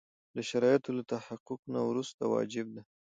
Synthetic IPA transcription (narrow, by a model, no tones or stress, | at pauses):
d̪əʃaɾɑjɪt̪olat̪ahaqʊqnawɾust̪awɑ̰d͡ʒɪb̚d̪a